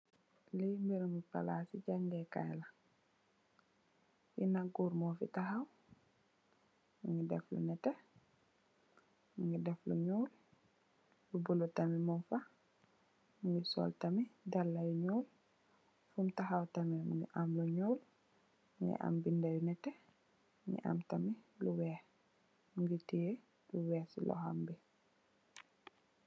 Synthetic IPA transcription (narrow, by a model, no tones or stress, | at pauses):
limbiɾumipa̰lasiɟaŋɡɛka̰jla | jinaɡuːɾmɔfḭtaɦaw | muŋɡidɛflṵnɛtɛ | muŋɡidɛflṵɲuːl | lubulutamimumfa | muŋɡisɔ̰ːltamidalːajuɲɔwl | fumtaxawtamimuŋɡḭʔamluɲɔːl | muŋɡḭʔa̰mbindajunɛtɛ | muŋɡḭʔa̰mtamiluwɛː | muŋɡitiɛ | duwɛːsḭlʔɔ̰ha̰mbi